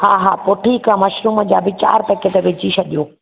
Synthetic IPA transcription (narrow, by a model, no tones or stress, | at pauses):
ha̰ːɦaːpʊʈʰikãːmɐʃɾuːməd͡ʑaːbɪt͡ɕa̰ːɾp̪ɐket̪ɐʋɪd͡ʑiʃɐʄijoː